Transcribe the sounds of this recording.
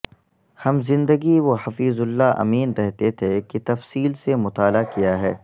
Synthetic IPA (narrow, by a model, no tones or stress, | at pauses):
hɐmzɪ̃nd̪əɡiwohɐfiːzʊlːaʔɐ̰miːnɾɛɦt̪et̪ʰekit̪ɐfsiːlsemʊt̪aːlakijaɦɛː